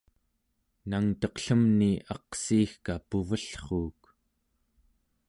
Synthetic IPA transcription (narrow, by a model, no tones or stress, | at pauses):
naŋt̪ʌqɬəmniʔɑqsiːxkapuvəɬχuːk